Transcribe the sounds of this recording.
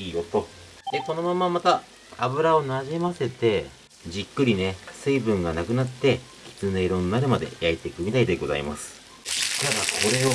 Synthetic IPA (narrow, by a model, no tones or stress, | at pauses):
iːjot̪o̞ | d̪eko̞no̞mamːamat̪aː | bɯ̟ɾao̞naʑimase̞t̪e̞ | d͡ʑikːɯ̟ɾʲine̞sɨibɯ̟̃ŋɡanakɯ̟nat̪ːe̞ | kʲi̥t͡sɨneiɾõ̞nnaɾɯ̟mad̪e̞̰jait̪ekɯ̟mʲit̪aid̪e̞ɡo̞za̰ḭma̰sɨ̥ | t̪ad̪ako̞ɾe̞o